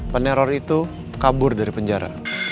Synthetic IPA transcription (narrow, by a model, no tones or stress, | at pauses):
pənɛɾɔrit̪u | kabʊrdaɾipəɲd͡ʒaɾa̰